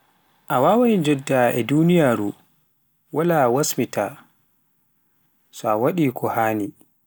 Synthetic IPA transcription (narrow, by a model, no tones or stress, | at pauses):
ʔawaːwajd͡ʒɛdːaʔɛ̰duːnijaːɾu | walawasmitʰa | sɔawaɗiːkʰɔhaːni